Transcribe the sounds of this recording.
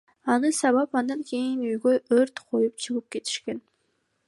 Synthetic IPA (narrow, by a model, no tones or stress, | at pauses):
ɑnɯsɑβɑpɑnd̪ɑŋkʲʰe̞jinøjɡøjøɾt̪qʰojup̚t͡ʃʰɯʁɯp̚ke̞t̪ʰi̥ʃkʲen